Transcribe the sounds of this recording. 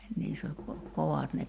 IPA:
niːsː ol ko koʋɑt ne

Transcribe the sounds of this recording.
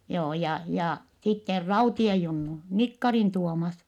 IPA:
joː jɑ jɑ sitːer rɑutiej junːu nikːɑrin tuomɑs

